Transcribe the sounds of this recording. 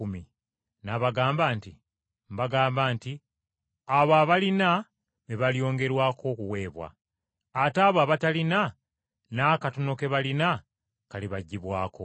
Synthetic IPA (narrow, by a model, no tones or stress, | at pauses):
umi | naβaɡaːmbaːnti | mbaɡaːmbaːnti | aβaːβalina | βeβaljo̞ːŋɡe̞ɾwaːkʰo̞kuwe̞ːβwa̰ː | taːβoaβatalina | naːkatono̞ke̞βalina | kaliβaɟːiβwaːko̞̰